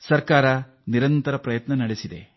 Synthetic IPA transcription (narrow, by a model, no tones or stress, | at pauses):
sɐɾkaːɾɐ | niɾɐnt̪ɐɾɐpɾɐjɐt̪nɐnɐɽesid̪e̞̰